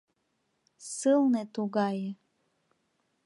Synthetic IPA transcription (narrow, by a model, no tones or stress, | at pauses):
sɨlˠnet̪uɡaje